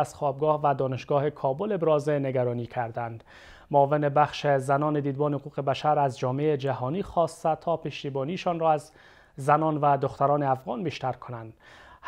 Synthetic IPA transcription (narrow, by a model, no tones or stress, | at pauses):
z̥χɒːb̚ɡɒːhvæd̪ɒːneʃɡɒːhekʰɒːbolebɾɒːzeneɡæɾɒːniːkʲʰæɾd̪ænd̪ | moɒːvenebæχʃezænɒːned̪iːd̪̚bɒːnehoquːɣebæʃæɾæzd͡ʒɒːmeed͡ʒæɦɒːniːχɒːst̪æt̪ʰɒːpeʃt̪ibɒːnieʃɒːnrɒːæz | zænɒːnvæd̪oχt̪æɾɒːneæfɣɒːnbiʃt̪æɾkʰonænd̪̥h